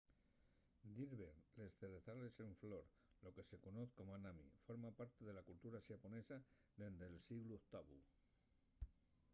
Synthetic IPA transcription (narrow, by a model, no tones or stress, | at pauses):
d̪iɾβeɾlest̪ereθaleseɱfloɾ | lokesekonoθkomanamḭfoɾmapaɾt̪eðelakult̪uɾaʃaponesa | ðend̪elsiɣluokt̪aβṵ